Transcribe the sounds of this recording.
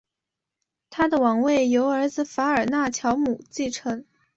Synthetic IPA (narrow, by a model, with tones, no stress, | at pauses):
t̪ʰa˥d̪ə˨wɑ˨˩ŋwe˥˩ɪjo˧˥ʊə˞˧˥d͡zɹ̩˧fa˧˥ə˞˨˩na˥˩t͡ɕʰjɑ˧˥ʊmu˨˩t͡ɕi˥˩ʈ͡ʂʰɤ˧˥ŋ